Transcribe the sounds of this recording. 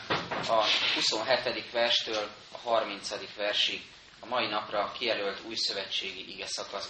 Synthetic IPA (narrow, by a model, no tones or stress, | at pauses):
ɒhuso̞nɦɛt̪ɛd̪ikʋɛrʃt̪øːl | ɒɦɒrmin̪t̪sɒd̪ikʋɛrʃiɡ | ɒmɒinɒprɒkijɛlølt̪uːjsø̞vɛt͡ʃːeːɡiʔiɡɛsɒkɒs